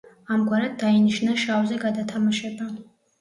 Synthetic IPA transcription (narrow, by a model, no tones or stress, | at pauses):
amɡʷaɾaddainɨʃnaʃawzaɡadatʰamaʃatʼa